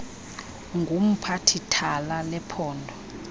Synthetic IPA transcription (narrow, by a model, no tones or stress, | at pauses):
ŋɡʱum̩pʰatʰitʰalanɛpʰɔːndʱɔ